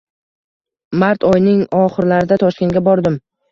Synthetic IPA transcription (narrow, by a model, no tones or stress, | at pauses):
maɾt̪ʰɒjnɪŋɒχɨɾlaɾɪd̪at̪ʰɒʃkʲenɡʲabɒɾd̪ɪm